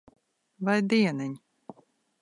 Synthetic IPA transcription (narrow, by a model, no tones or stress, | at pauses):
vajd̪iːɛnɛɲʲ